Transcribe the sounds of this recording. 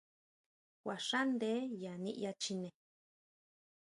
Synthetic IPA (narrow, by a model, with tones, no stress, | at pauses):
kwa˨ʂa˦nd̪e˦ja˨nḭ̃˧ʔja˧t͡ʃi˧nẽ˨